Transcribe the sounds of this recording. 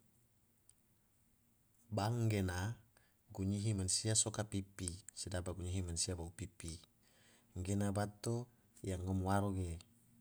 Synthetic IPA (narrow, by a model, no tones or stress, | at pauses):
baŋɡena | ɡuɲiɦimansiasokapipisidabaɡuɲiɦimansiabaupipi | ŋɡenabat̪o | jaŋːəmwaɾoɡe